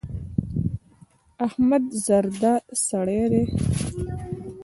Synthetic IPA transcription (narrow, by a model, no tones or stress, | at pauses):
ahmad̪zaɾd̪asaɽeɾe